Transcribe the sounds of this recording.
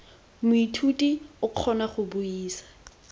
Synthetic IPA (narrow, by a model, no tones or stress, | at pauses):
mʊitʰutʼiʊq͡χʰɔnaχʊbʊiːsḁ